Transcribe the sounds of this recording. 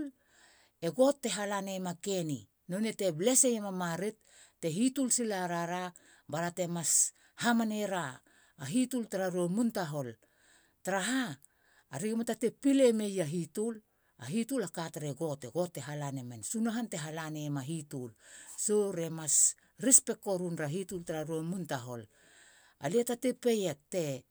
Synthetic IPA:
l | e̞ɡo̞tːe̞ɦalane̞make̞ni | nonete̞ble̞sejemamaɾetː | e̞ɦitulsilaɾaɾa | baɾate̞mas | hamaneɾaː | ɦitultaɾaɾuomuntaɦo̞l | taɾaɦaː | ɾiɡematate̞pile̞me̞jaɦitul | a̰ɦitulakataɾeɡo̞teɡo̞tːe̞ɦalanemensunaɦante̞ɦalane̞maɦitulsoɾe̞mas | ɾispe̞kːo̞ɾunɾaɦitultaɾaɾuemuntaɦo̞̰l | a̰lietate̞pejek̚te̞

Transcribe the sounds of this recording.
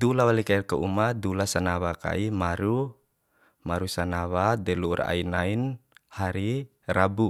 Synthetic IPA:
d̪ulawalikairkaʔumadulasanawaka̰imaɾu | maɾusanawadɛlṵːra̰inainhaɾi | rabu

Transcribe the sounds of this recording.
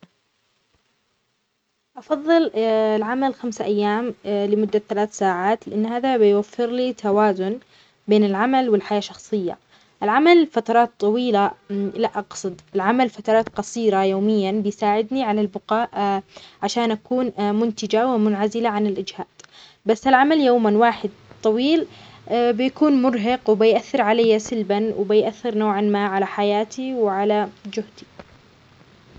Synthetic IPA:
ʔɑfɑðˤːɨllʕamalxamsaʔajːaːmlɪmʊd̪ːaθalaːθsaːʕaːt̪lɪʔanːhaːðabɪjwafːɪɾlit̪ʰawaːzʊn | beːnɪlʕamalwɪlħajaːʃɑxsˤɨjːa̰ | ʔɪlʕamalfat̪ɑɾˤɑːt̪ˤːɑwiːlalaʔɑqsˤɨd̪ˤɪlʕamalfat̪ɑɾˤɑːt̪qɑsˤiːɾajoːmɪjːanbɪjsaːʕɪd̪niʕalalbʊqɑːʔʕaʃaːnʔakuːnmʊnt̪ɪd͡ʒawɪmʊnʕazɪlaʕanɪlʔɪd͡ʒhaːd̪̥ | basːalʕamaljoːmanwaːħɪd̪̚t̪ˤɑwiːl | bɪjakuːnmʊɾɦɑqwbɪjʔaθːɪɾʕalajːasɪlbanwɪbɪjʔaθːɪɾnoːʕanmaːʕalaħajaːt̪iwɪʕalad͡ʒʊht̪i̥

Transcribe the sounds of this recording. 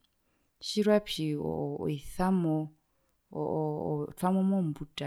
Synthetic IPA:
ʃiɾwapʰiɔ̰ɔ̰iθamɔ | tʰamɔmɔm̩butʼa

